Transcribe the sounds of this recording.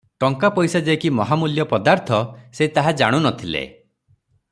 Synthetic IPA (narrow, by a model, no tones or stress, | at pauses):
ʈɔŋkapɔjsad͡ʒekimɔɦamuljɔpɔd̪aɾt̪ʰɔset̪aɦad͡ʒaɽ̃unɔt̪ʰilḛ